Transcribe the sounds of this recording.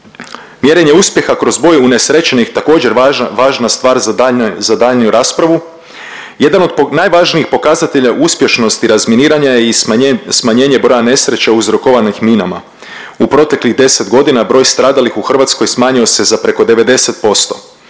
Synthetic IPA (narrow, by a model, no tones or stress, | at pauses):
mje̞ɾe̞ɲe̞uspje̞xakɾo̞zbojune̞sɾe̞t͡ʃenixt̪ako̞ːd͡ʑe̞ɾʋaːʒnast̪ʋaːɾzazad̪aːʎniuɾaːspɾaʋu | je̞d̪ano̞d̪najʋaːʒniixpo̞kaːzat̪e̞ʎaʔuspje̞ʃno̞st̪iɾazminiːɾaɲajeismaɲe̞ːɲe̞bɾo̞jane̞sɾe̞t͡ɕauzɾo̞koʋanixminama̰ | upɾo̞t̪e̞kliɣd̪e̞se̞t̪ɡo̞d̪inabɾo̞ːjst̪ɾaːd̪alixuxr̩ʋat̪sko̞jsmaːɲio̞se̞zapɾeko̞d̪e̞ʋe̞d̪e̞set̪̚po̞st̪o̞̰